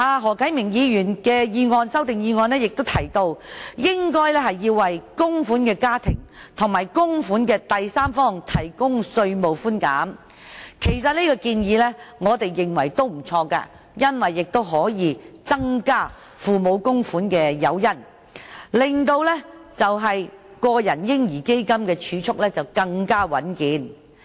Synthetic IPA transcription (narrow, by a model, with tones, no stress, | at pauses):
ʔaː˨˧ɦɔː˨˩kʰɐ˨˥jmɪ˨˩ŋjiː˨˧jyː˨˩nkɛː˧jiː˧ŋɔː˧nsɐ˥wt̪ɪ˨ŋjiː˧ŋɔː˧nlɛː˥jɪ˨k̚t̪o˥wt̪ʰɐ˨˩jt̪o˧wjɪ˥ŋkɔː˥jlɛː˥hɐ˨jːiː˧wwɐ˨jkʊ˥ŋfuː˨˥nkɛː˧kaː˥t̪ʰɪ̰˨˩ŋt̪ʰʊ˨˩ŋmaː˨˩jkʊ˥ŋfuː˨˥nkɛː˧t̪ɐ˨jsaː˥mfɔː˥ŋt̪ʰɐ˨˩jkʊ˥ŋsɵ˧ɥmo˨˩wfuː˥nka̰ː˨˥m | kʰe˨˩jsɐ˨t̚niː˥kɔː˧kiː˧njiː˨˧lɛː˥ŋɔː˨˧t̪e˨jːɪ˨ŋwɐ˨˩jt̪o˥wm̩˨˩t͡sʰɔː˧ka̰ː˧ | jɐ˥nwɐ˨jːɪ˨k̚t̪o˥wɦɔː˨˥jiː˨˧t͡sɐ˥ŋkaː˥ | fuː˨mo˨˧wkʊ˥ŋfuː˨˥nkɛː˧jɐ˨˧wjɐ˥n | lɪ˨ŋt̪o˧wlɛ˥t͡sɐ˨wɦɐ˨jkɔː˧jɐ˨˩njɪ˥ŋjiː˨˩ke˥jkɐ˥mkɛː˧t͡ʃʰyː˨˧t͡sʰʊ˥k̚lɛː˥t͡sɐ˨wkɐ˧ŋkaː˥wɐ˨˥nkiː˨˥n